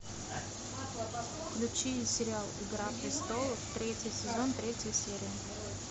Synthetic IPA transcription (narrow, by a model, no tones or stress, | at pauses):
fklʲʉt͡ɕivɪsʲɪɾʲɪalˠɪɡɾapɾʲɪst̪o̞lˠəft̪ɾʲetʲɪsʲɪzo̞nt̪ɾʲetʲjəjəsʲeɾʲɪə